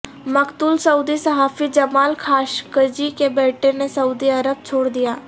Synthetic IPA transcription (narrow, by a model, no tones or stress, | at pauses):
məkt̪uːlsəuːd̪iːsəɦaːfiːd͡ʒəmaːlkʰaːʃkəd͡ʒiːkebɛːʈenesəuːd̪iːəɾəb̚t͡ʃʰoːɽd̪ɪjaː